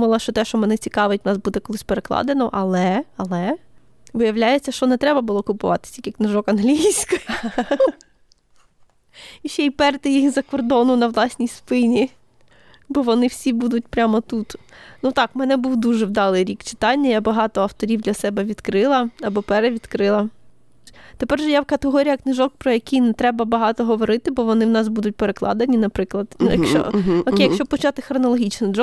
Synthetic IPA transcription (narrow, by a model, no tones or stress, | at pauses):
mʊlˠɐʃt͡ʃɔt̪ɛʃt͡ʃɔmɛnɛt͡sʲikɑʋetʲnɑsbud̪ɛkɔlˠɪsʲpeɾeklˠɑ̰d̪enɔʔɐlˠɛɐlˠɛ | ʋɪjɐwlʲajet͡sʲːɐʃt͡ʃɔnɛt̪ɾɛbɐbʊlˠɔkʊpʊʋɑ̰t̪ɪ̥sʲikʲiknɪʒɔkɐnɦlʲijsʲkʊj | iʃɛjpɛrt̪ɪjijizɐkɔrd̪ɔnʊnɐʋlˠɑsʲnʲijspɪnʲi | bɔʋɔnɪwsʲibud̪ʊt̚ʲpɾʲamɔt̪ut̪nut̪ɑkmɛnɛbuwd̪uʒɛwd̪ɑlˠɪjɾʲikt͡ʃɪ̥t̪ɑnʲːɐjabɐɦɑt̪ɔɐwt̪ɔɾʲiwd̪lʲɐsɛbɛʋʲid̪kɾɪlˠɐɐbɔpɛɾɛʋʲid̪kɾɪlˠɐ | t̪epɛrʒɛjawkɐt̪eɦɔɾʲijɐknɪʒɔk̚pɾɔjɐkʲijnɛt̪ɾɛbɐbɐɦɑt̪ɔɦɔʋɔɾɪt̪ɪbɔʋɔnɪwnɑsbud̪ʊt̚ʲpeɾeklˠɑ̰d̪ɐnʲinɐpɾɪklˠɐd̪jɐkt͡ʃɔ̰ɔejɐkʃt͡ʃɔpɔt͡ʃɑt̪ɪxɾɔnɔlˠɔɦʲit͡ʃnɔd̪ɔ